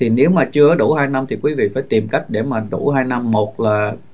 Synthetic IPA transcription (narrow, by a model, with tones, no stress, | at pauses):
t̪ʰi˨˩ne˨˦wmaː˨˩t͡ɕɨ˧əaː˨˦ɗu˧˩haː˧jna˧mt̪ʰi˨˩kwi˨˦vḭ˧˨faː˧˦jt̪i˨˩mka˦˥jk̟̚ɗe˧˩maː˨˩ɗu˧˩haː˧jna˧mːo˨˩t̚laː˨˩